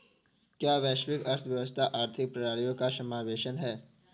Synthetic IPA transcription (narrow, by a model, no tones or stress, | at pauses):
kjaːʋɛːʃʋɪkɐɾt̪ʰʋjɐʋəst̪ʰaʔaːɾt̪ʰɪk̚pɾɐɾaːlijõkasɐmaːʋeːʃənɦɛː